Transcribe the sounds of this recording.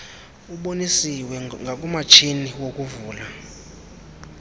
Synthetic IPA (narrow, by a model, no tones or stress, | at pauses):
uɓonisiwɛŋɡʱak̬ʼumat͡ʃʰiniwokʼuvuːla